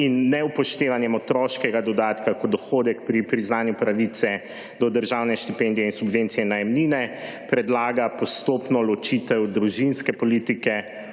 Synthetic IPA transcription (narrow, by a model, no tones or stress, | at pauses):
inːɛupɔʃt̪eːʋanjɛmɔt̪ɾɔʃkɛɡad̪ɔd̪aːt̪kakɔd̪ɔxoːd̪ɛkpɾipɾiznaːnjupɾaʋit̪sɛ | d̪ɔd̪əɾʒawnɛʃt̪ipɛnd̪ijɛinsubʋent̪sijɛnajɛmninɛ | pɾɛd̪laːɡapɔst̪opnɔlɔt͡ʃit̪ɛwd̪ɾuʒinskɛpɔliːt̪ikɛ